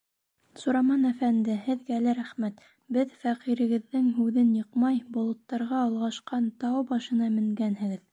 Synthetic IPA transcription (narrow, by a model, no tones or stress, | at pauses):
suɾɑmɑnæfænd̪ɘhɘ̆ðɡæːlæɾæχmæt̪ | bɘðfæqiɾɘ̆ɡɘ̆ðːɘŋɦʉðɘnjɤ̆qmɑjbŏlˠɤ̆t̪ːɑɾʁɑːlˠʁɑʃqɑnt̪ɑwbɑʃɤ̆nɑmɘ̆ŋɡænɦɘ̆ɡɘð